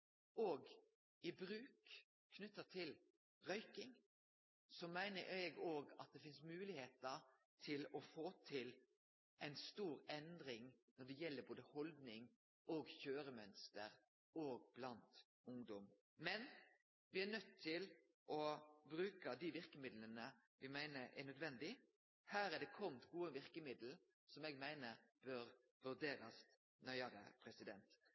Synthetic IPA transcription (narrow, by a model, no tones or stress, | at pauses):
ʔoːɡ | ɪbɾʉːkʰː | nʉt̪ːət̪ʰɪl | ʁœʏkɪŋ | sɔmæɪnəʔɛɡoːɡɑ̰t̪̚d̪ɛfɪnsmʉːlɪheːt̪əɾ | t̪ʰɪlɔfoːt̪ʰɪl | ʔæɪnst̪uːɾɛnd̪ɾɪŋnɔɖ̪ɛjɛlːəɾboːd̪əhɔld̪nɪŋ | oːɡçøːɾəmœnst̪əɾ | oːɡ̚b̥lɑnt̪ | ʊŋd̪ɔm | mɛn | ʋɪænœt̪ʰːɪl | ʔɔbɾʉːkəd̪iʋɪɾkəmɪd̪lənə | ʋɪmæɪnəʔænœd̪ʋɛnd̪ɪ | hæːɾæɖ̪ɛkʰɔmt̪ɡuːəʋɪʁkəmɪd̪l̩ | sɔmɛːɡmæɪnəɾb̥øɾ | ʋʉɾd̪eːɾɑs | nœʏəɾə̰pʰɾɛsɪd̪ɛnt̪